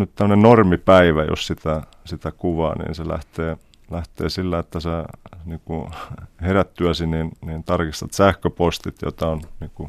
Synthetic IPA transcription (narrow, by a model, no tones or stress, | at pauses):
nyt̪t̪æmːənennormipæiʋæjo̰ssit̪æ | sit̪ækuʋɑ̰ːnḭːnselæ̰ht̪eː | læht̪ḛːsilːæet̪ːæseniːkuheræt̪ːyæsiniːnniːnt̪ɑrkist̪ɑt̪sæhkøpost̪it̪jo̰t̪ɑonniːŋku